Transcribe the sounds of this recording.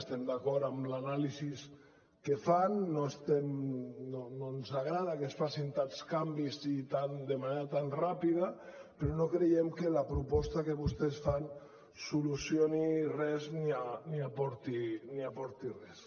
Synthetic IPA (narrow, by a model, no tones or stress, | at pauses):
st̪emd̪akɔɾt̪amlanalizis | kefanːoest̪emnononzaɣ̞ɾað̞akesfasint̪anskambizit̪and̪emaneɾat̪anrapiðapeɾɔnokɾejemkelapɾupɔst̪akeβust̪esfan | sulusjionirɛznianiapɔɾt̪iniapɔɾt̪irɛs